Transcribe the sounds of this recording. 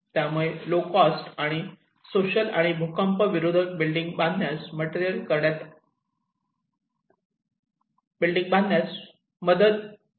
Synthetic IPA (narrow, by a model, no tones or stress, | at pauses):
t̪jamuɭelokasʈaɽ̃i | soɕəla̰ɽ̃ibʱukəmpəʋiɾod̪ʱəʈ̚bilɖiŋɡ̚bãnd̪ʱjasməʈeɾijəlkəɾɽat̪ | bilɖiŋɡ̚bãnd̪ʱnjas | məd̪əd̪